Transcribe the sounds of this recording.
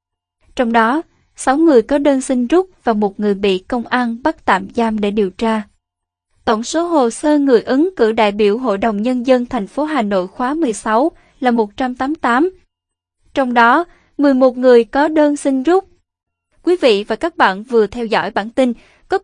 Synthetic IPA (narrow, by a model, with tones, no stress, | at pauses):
t͡ɕɔ˧wŋ͡mɗɔ˨˦ | sa˨˦wŋɨ˨˩əjkɔ˨˦ɗəː˧nsï˧ŋ̟zu˦˥k͡p̚v̥aː˨˩mo˨˩t̚ŋɨ˨˩əjɓḭ˧˨kə˧wŋ͡mʔaː˧nɓa˦˥k̚t̪a̰ː˧˨mzaː˧mɗe˧˩ɗi˨˩əwt͡ɕaː˧ | t̪o̰˧˩wŋ͡mso˨˦ɦo˨˩səː˧ŋɨ˨˩əjʔɨ˨˦ŋkɨ̰˧˩ɗa̰ː˧˨jɓi˧˩əwɦo̰˧˨jɗə˨˩wŋ͡mɲə˧nzə˧nt̪ʰɛ˨˩jŋ̟fo˨˦ɦaː˨˩no̰˧˨jxwaː˨˦mɨ˨˩əjsa˨˦w | laː˨˩mo˨˩t̚t͡ɕa˧mt̪aː˨˦mt̪aː˨˦m | t͡ɕɔ˧wŋ͡mɗɔ˨˦ | mɨ˨˩əjmo˨˩t̚ŋɨ˨˩əjkɔ˨˦ɗəː˧nsï˧ŋ̟zʊ˦˥k͡p̚ | kwi˨˦vḭ˧˨vaː˨˩kaː˦˥k̚ɓa̰ː˧˨nvɨ˨˩ət̪ʰɛ˧wzɔ̰˧˩jɓaː˧˩nt̪ï˧n | kɔ˨˦